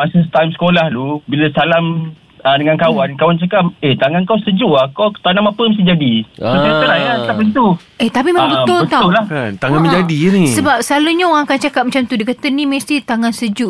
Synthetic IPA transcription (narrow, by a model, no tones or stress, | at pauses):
masəst̪ajmsə̥kolahlubilasalam | ədəŋankawankawant͡ʃakap̚et̪aŋankawsəd͡ʒuakawt̪anamapəmast̪id͡ʒadiasiəɾajat̪apəit̪u | et̪apimabət̪ʊbət̪aʊlahnt̪aŋanmə̃ɲd͡ʒadinisəbap̚səlaluɲaoɣãŋakant͡ʃakap̚mat͡ʃamt̪udikat̪əniməst̪it̪aŋansəd͡ʒuʔ